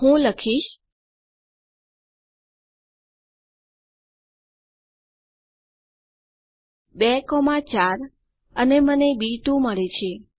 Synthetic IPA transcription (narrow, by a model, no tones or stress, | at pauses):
ɦũləkʰiʃ | bekomãt͡ʃaɾ | ənemənebit̪ũməɭet͡ʃʰe